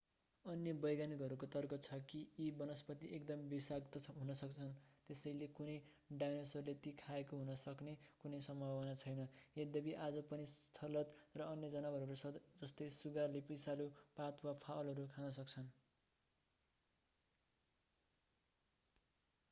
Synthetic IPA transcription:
ʌnjʌbʌjɡanikɦʌɾukot̪ʌrkʌt͡sʰʌkiibʌnʌspʌt̪iekd̪ʌmbisakt̪ʌɦunʌsʌkt͡sʰʌnt̪esʌjlekunʌj | ɖajnʌsʌɾulet̪ikʰaekoɦunʌsʌknekunʌjsʌmbʱawʌnat͡sʰʌjnʌjed̪ʌbiʔad͡zʌpʌnist̪ʰʌlʌt̪rʌʌnjʌd͡zʌnabʱʌɾuʌɾut͡sʰʌd͡zʌst̪ʌjsuɡarlepijsalupat̪wapʰawlɦʌɾukʰanʌsʌk̚t͡sʰʌn

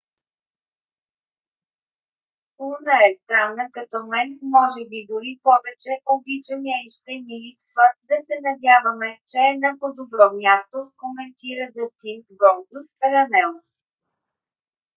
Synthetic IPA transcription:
uɾnəɛst̪ɾanːəkɐt̪ɔmɛnmɔʒɛbid̪ʊɾipɔvɛt͡ʃɛʔoblit͡ʃɛmɛʃt̪ɛniliksvəd̪ɐsɛnɐd̪ʲjavəmɛt͡ʃɛːnapod̪obɾɔmʲjast̪okomɛnt̪iɾəd̪ɐst̪inkɡɔld̪ʊspɛɾɐnɛlˠs

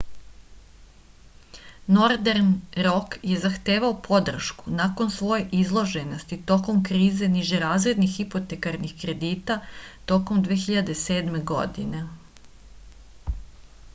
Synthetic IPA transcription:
no̞ɾd̪eɾnɾo̞kje̞zaxt̪e̞ːʋaopʰo̞d̪r̩ʃku̥nako̞nsʋo̞jeʔizlˠoʒe̞nost̪it̪o̞ko̞mkɾiːze̞niʒeɾaːzɾe̞d̪nixipot̪ekaɾnixkɾe̞d̪iːt̪at̪o̞ko̞md̪ʋe̞ːxiʎad̪e̞se̞ːd̪me̞ɡo̞̰d̪ḭne̞

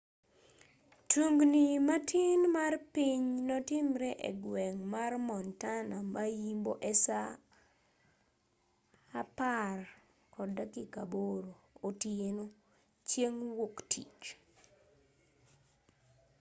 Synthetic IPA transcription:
tuŋɡnimatʰɪnmarpiɲnɔtɪmɾɛʔḛɡwɛŋmarmɔntanamajimboʔɛsa | par | kʰɔdakikaboɾoːtjeno | t͡ʃjeŋwoktʰit͡ʃ

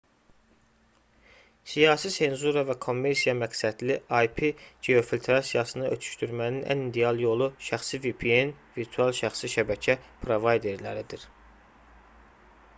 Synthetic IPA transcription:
sijɑːsise̞nzuɾɑvækʰo̞mːe̞ɾsijɑmæksæd̪liɑjpʰid͡ʒeo̞filʲt̪ʰɾɑsijɑsɯnɯøt̪ʰy̥ʃt̪yɾmæninʔæ̰nid̪eɑlˠjo̞lˠuʃæxsivipʰienviɾt̪ʰuɑlˠʃæxsiʃæbæcʰæpʰɾo̞vɑjd̪e̞ɾlæɾid̪iɾ

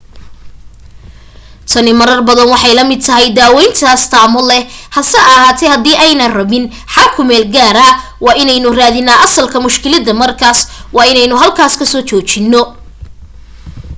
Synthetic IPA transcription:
t̪ʰɐnɪmɐɾɐrbɐðɐnwɑħɑjlɐmɪd̪̚t̪ʰɐɦɛjd̪aːwɛjnt̪ʰɐst̪ʰaːmɔlɛhɐsɛɐɦaːt̪ʰɛhɐd̪iːʔɛjnɐrɐβɪn | ħɑlkʰʊmɛːlɡaːɾɐwɑːɪnɛjnʊraːðɪnːaːʔɐsɐlkʰɐmʊʃkʰɪlɐd̪ɐmɐrkʰaːswɑːɪnɛjnʊɦɐlkʰaːskʰɐsɔːt͡ʃɔːt͡ʃɪnːɔ

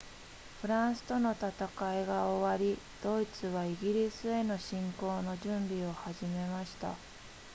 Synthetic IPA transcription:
ɸɯ̟ɾãɰ̃sɨ̥t̪o̞no̞t̪at̪akaeɡaoβaɾʲi | d̪̥o̞it͡sɨβaiɡʲiɾʲisɨe̞no̞ɕĩŋko̞ːno̞ʑɨ̃mbʲio̞haʑime̞maɕi̥t̪a̰

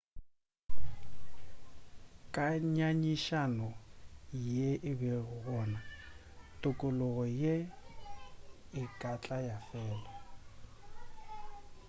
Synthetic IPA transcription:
kʼaɲaɲiʃanɔ | jeʔɪbɛɣɣɔːna | tʼʊkʼʊlʊɣɔje | ɪkʼat͡ɬʼajafɛːla

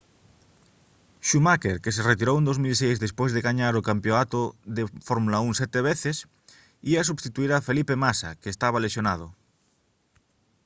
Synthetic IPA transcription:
ʃumakeɾkes̬eret̪iɾowend̪ozmilsejzðespwezðeɣaɲaɾokampjoat̪oðefoɾmulauŋsjet̪eβ̞eθes | ias̬uβst̪it̪uiɾafelipemasa̰keːst̪aβ̞alesjonað̞o

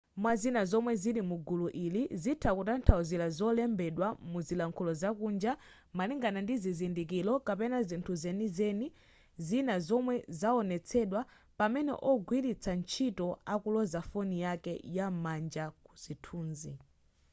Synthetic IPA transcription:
mwazinazɔmwɛziɾimuɡuluʔilizitʰakutantʰauzilazɔlɛmbɛɗwamuzilaŋkʰulɔzakund͡ʒa | maliŋɡanandizizindikilɔkapɛnazintʰuzɛnizɛni | zinazɔmwɛzaɔnɛt͡sʰɛɗwa | pamɛnɛ̰ʔɔɡwiɾit͡sʰant͡ʃʰitɔakulɔzafɔnijakɛjamand͡ʒaku̥z̥itʰuːnzi

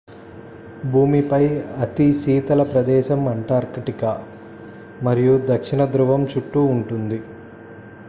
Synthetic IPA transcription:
bʱuːmipɐjɐt̪isiːt̪ɐlɐpɾɐd̪ɛːʃɐmɐɳʈaːɾkiʈikɐ | mɐɾijud̪ɐkʂiɳɐd̪ɾuʋɐmt͡ʃuʈːuːɳʈund̪i

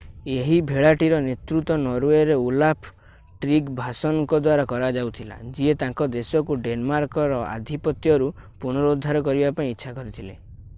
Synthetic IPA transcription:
eɦibʱeɭaʈiɾɔnet̪ɾut̪ɔnɔɾueɾeulapʰ | ʈɾikbʱasɔnɔŋkɔd̪waɾakɔɾad͡ʒawt̪ʰila̰d͡ʒiet̪ãŋkɔd̪esɔkuɖenmaɾkɔɾɔa̰d̪ʱipɔt̪jɔɾu | puɽ̃ɔɾɔud̪ʱːaɾɔkɔɾibapaĩitːʃʰakɔɾit̪ʰile

